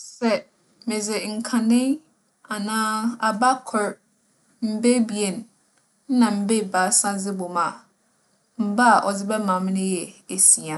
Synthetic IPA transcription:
sɛ˨ | mẽ˨d͡zɪ˨ŋ̩˨kʰã˨nɪ̃˦ | a˨nãː˦a˨ba˦kʰɔ˨ɾ | m̩˦be˦bi˨e˨n̩˨˦ | nã˨m̩˦be˦˨baː˨˦sã˦d͡zɪ˦bɔ˨mã˨ | m̩˦ba˦a˨ʔɔ˨d͡zɪ˦bɛ˦mã˨m˦nɪ̃˦jɛ˨e˨si˨ã˨

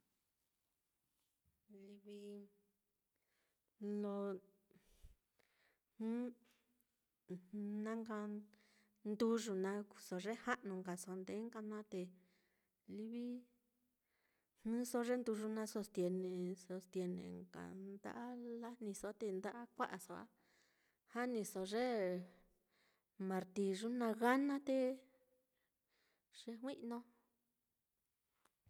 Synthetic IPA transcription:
li˧βi˧ | lo˧ | hũ˦ | nã˦ŋɡa˧ | nd̪u˧ʐu˧nã˧ku˧˨so˧ʐe˦ha˦ʔnũ˧˨ŋɡa˨so˧nd̪e˨˦ŋɡa˧nã˦t̪e˧ | li˧βi˦ | hɨ̃˦so˧ʐe˦nd̪u˧ʐu˧nã˧so˧st̪je˧nẽ˧so˧st̪je˧nḛ̃˨ŋka̰˨nd̪a̰˦ʔa˦la˦nĩ˧so˧a˦t̪e˧nd̪a˦ʔa˦kʷa˦ʔa˨so˧a̰˦ | ha˦nĩ˧so˧ʐe˦ | mã˧ɾt̪i˧˨ʐu˦nã˧ɣa˦nã˦t̪e˧ | ʐ̥e˧hwĩ˦ʔnõ˧

